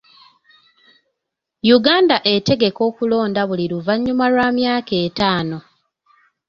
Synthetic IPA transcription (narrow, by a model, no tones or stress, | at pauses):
juɡaːndaʔe̞te̞ɡe̞ko̞ːkulo̞ːndaβuliɾuvaɲːumalwaːmjaːke̞ːtaːno̞